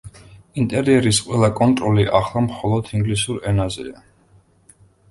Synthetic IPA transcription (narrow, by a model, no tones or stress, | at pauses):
int̪ʼɛɾiɛɾisqʼwɛlˠakʼɔnt̪ʼɾɔliʔaχlˠamχɔlˠɔd̪iŋɡlisuɾɛnazɛ̰a